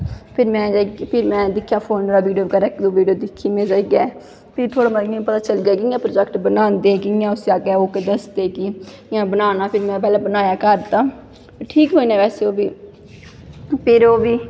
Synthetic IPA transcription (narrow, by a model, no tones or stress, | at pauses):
pʰɪɾmɛ̃ːapʰɪɾmɛ̃ːd̪ɪkʰːjaːpʰoːnːɾaːʋiːɖijoːkəɾɛkd̪oːʋiːɖijoːd̪ɪkʰːiːmẽːd͡ʒaːiːɡɛː | pʰɪɾt̪ʰoːɽaːməãpət̪aːt͡ʃəlɡaːkɪjãːpɾoːd͡ʒɛkʈbənãːnd̪eːkɪãːʊsaːɡɛːoːked̪əsd̪eːki | ãːbənaːnaːpʰɪɾmɛ̃ːp̬ɛːlãːbənaːjaːkəɾd̪aː | ʈʰiːkɦoːiːnɛ̃ːʋɛːseːoːbiː | pʰɪɾoːʋiː